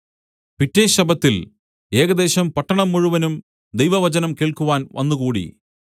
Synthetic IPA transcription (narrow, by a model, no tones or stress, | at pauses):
pitːeːɕɐbɐt̪ːil | e̞ːɣɐd̪e̞ːɕɐmpɐʈːɐɳɐmːuɻuʋɐnum | d̪ejʋɐʋɐt͡ɕɐnɐmkeːɭkuʋaːnʋɐ̰nːuɣuːɽḭ